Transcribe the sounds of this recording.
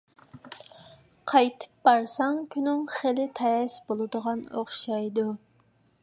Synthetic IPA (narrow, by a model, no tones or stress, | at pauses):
qʰɑjt̪ʰɨ̥p̚bɑɾsɑŋkʲʰynɪŋχelɪt̪ʰɛsbolˠɨd̪əʁɑnoχʃɑjd̪u